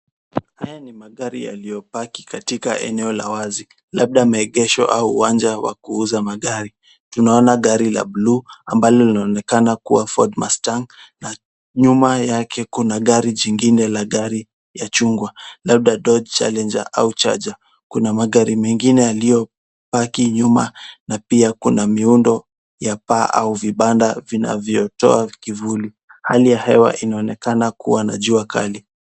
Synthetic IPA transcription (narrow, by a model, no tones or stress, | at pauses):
hajanimaɠaɾḭja̰lijɔpaki̥katika̰ʔɛ̰nɛɔla̰wazi | lab̚ɗamaɛɠɛʃɔ̰ʔauːwand͡ʒawa̰kuuzamaɠaɾi | tunaɔnaɠaɾila̰bluambalɔlinaɔnɛkanakuwafɔ̰dma̰staŋna | ɲumajakʰɛkunaɠaɾiʄiŋɡinɛlaɠaɾi | jat͡ʃuŋɡwalab̚ɗaɗɔd͡ʒt͡ʃa̰lɛnd͡ʒa̰ʔa̰ut͡ʃa̰d͡ʒa | kunamaɠaɾimɛŋɡinɛalijɔ | pakiɲumanapiakunamiundɔ | japaːʔa̰uviɓandavina̰vjɔtɔ̰akivuli | halijahɛwa̰ʔinaɔnɛkanakuwana̰ʄuaka̰li